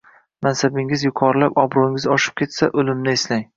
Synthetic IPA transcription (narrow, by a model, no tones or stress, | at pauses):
mansabɪŋɪzjʊqʰɒɾlapɒbɾoɪŋɪzɒʃɪ̥p̚kʲʰe̞t̪saʔolɪmnɪeslaŋ